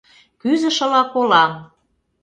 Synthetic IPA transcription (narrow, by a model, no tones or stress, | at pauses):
kyzə̆ʃə̆lɑkolɑm